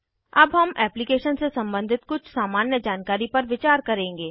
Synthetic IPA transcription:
ɐbɦɐmɛːplɪkeːʃənsesɐ̃mbə̃nd̪ʱɪt̪kʊt͡ʃʰsaːmaːnjəd͡ʒaːnkaːɾipɐɾʋɪt͡ʃaːɾkɐɾẽːŋɡeː

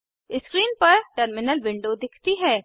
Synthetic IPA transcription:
ɪskɾiːnpɐɾʈəɾmɪnəlʋɪ̃ɳɖod̪ɪkʰt̪iɦɛː

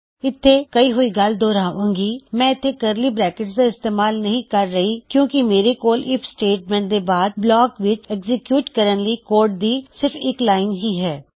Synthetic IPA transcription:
ɪt̪ʰːekɐiɦʊiɡɐld̪oːɾaːʋũːŋɡiːmɛ̃ːɪt̪ʰːekəɾlibɾɛːkɪʈsd̪aɪst̪eːmaːlnɐɦĩkɐɾːɐɦikjõːkimeːɾekoːlʔɪpʰsʈeːʈ̚mɛ̃ːɳʈd̪ebaːd̪̚blɔːkʋɪt͡ʃɛkzɪkjuːʈkəɾə̃nlikoːɾʈ̚d̪iːsɪɾfɪːklaːɪnɦiɦɛː

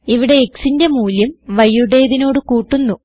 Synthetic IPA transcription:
iʋiɽe̞ːksinde̞muːljɐmʋɐjːuɽe̞ːðino̞ːɽɨkuːʈːunːu

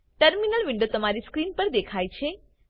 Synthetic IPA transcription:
ʈəɾminəlʋɪ̃ɳɖot̪əmaɾiskɾinpəɾd̪ekʰajt͡ʃʰe

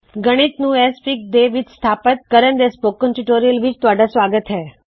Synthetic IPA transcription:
ɡəɽ̃it̪nũespik̚d̪eʋid͡ʒst̪ʰapət̪̚kəɾənd̪espokːənʈiʈoɾijəlʋid͡ʒt̪ʋaɖasʋaɡət̪ɦe

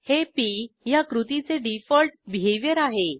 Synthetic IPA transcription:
hepijakɾut̪it͡seɖifəlʈ̚bʱeʋjəɾaɦe

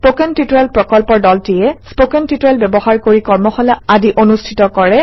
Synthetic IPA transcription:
spokɛntitɹɛlpɹɔkɔlpɔɹdɔltijɛspokɛntitɔɹɛlbɛbɔxaɹkoɹikɔɹmɔxɔlɛadiʔonustʰitɔkɔɹɛ

